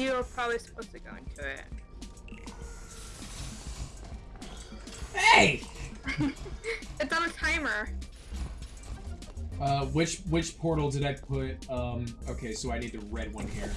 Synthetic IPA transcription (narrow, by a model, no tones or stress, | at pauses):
jɨə˞pʰɹ̥ɑbəblisə̥pʰoʊstʰɨɡoʊɪ̰̃ŋtʰʉɪ̰t̚ | eɪ | ɨtsn̩ɨtʰãɪ̃mə˞ | ʌwɪt͡ʃwɪt͡ʃpʰɔɹɾl̩ˠdɨɾaɪpʰʊt̚ʌ̃moʊkʰeɪsoʊaɪnid̚tɨɹɛd̚wʌ̃nhiɹ